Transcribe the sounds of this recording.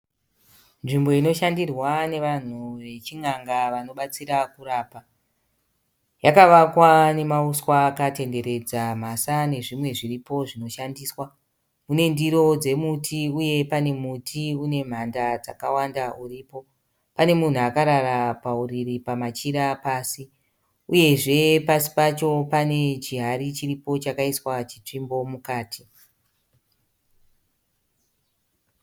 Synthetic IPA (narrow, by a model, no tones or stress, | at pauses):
nʐimbo̞ino̞ʃandirwane̞ʋan̤uʋe̞t͡ʃiŋaŋɡaʋano̞ɓat͡siɾakuɾaːpa | jakaʋakwane̞mauswaːkate̞nde̞ɾe̞d͡zam̤asane̞ʐimwe̞ʐiripo̞ʐino̞ʃandiːswa | mune̞ndiɾo̞d͡ze̞mutʰiuje̞pane̞mutʰiune̞m̤andad͡zakawandauriːpo̞ | pane̞mun̤uakaɾaɾapauriripamat͡ʃiɾapaːsi | uje̞ʐe̞pasi̥pat͡ʃo̞pane̞t͡ʃiɦaɾit͡ʃiripo̞t͡ʃakaiswat͡ʃit͡ʂimbo̞mukaːtʰi